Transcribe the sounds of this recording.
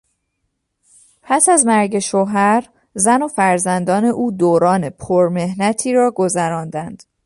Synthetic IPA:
pʰæsæzmæɾɟe̞ʃoːɦæɾ | zæno̞fæɾzænd̪ɒːne̞ʔuːd̪oːɾɒːne̞pʰoɾme̞hnæt̪ʰiːɾɒːɡo̞zæɾɒːnd̪ænd̪̥

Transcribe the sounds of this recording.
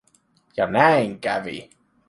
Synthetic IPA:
jɑnæiŋkævḭ

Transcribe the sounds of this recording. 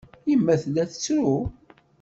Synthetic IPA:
imːæθlːæθə̥t͡sːɾu

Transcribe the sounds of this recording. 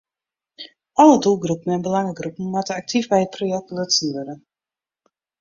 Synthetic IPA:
ʔɔlədulˠɡrupən̩ɛnbəlaŋəɡrupn̩matəak̚tʰifbɛjət̚pʰrojɛk̚tələtsyəɾə

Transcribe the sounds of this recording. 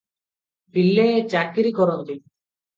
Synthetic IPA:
pilːet͡ʃakiɾikɔɾɔnt̪i

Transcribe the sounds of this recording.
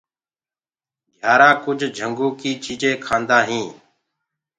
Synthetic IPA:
ɡʱjaːɾaːkʊd͡ʒʱd͡ʒʱəŋɡõːkiːt͡ʃiːd͡ʒʱẽːkʰaːnd̪aːɦĩː

